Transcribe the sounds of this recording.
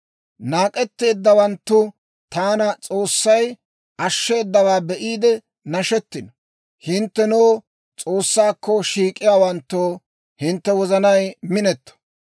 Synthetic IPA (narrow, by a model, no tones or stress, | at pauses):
naːkʼɛt̪ːe̞ːd̪ːɐwɐnt̪ːʊ | t̪aːnɐt͡sʼo̞ːsːɐj | ʔɐʃːe̞ːd̪ːɐwaːbɛʔiːd̪ɛ | nɐʃɛt̪ːɪnɔ | hɪnt̪ːɛnoː | t͡sʼoːsːaːkːɔʃiːkʼːɪjaːwɐnt̪ːoː | hɪnt̪ːɛwɔzɐnɐjmɪnɛt̪ːɐ̥